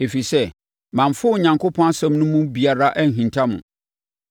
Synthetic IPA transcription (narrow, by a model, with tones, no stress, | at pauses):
e˨fi˨sɛ˦ | mã˨mfʊ˦˨ɲã˨ŋkʊ˦pʰɔ̃˦na˦sɛ̃˦mnʊ̃˦mũ˦bi˨a˨ɾa˦ʔn̩˨ɦĩ˨ntʰa˦mʊ̰̃˨